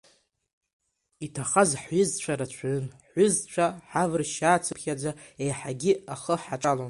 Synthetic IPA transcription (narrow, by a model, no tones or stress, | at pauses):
itʰaχazħɥʏzt͡ɕʷʰaɾat͡ɕʷʰʕɨnħʷʏzt͡ɕʷʰaħavrʃaːt͡sʰɨpʰχʲad͡zʷaejħaɡʲɪaχəħaʈ͡ʂʼalon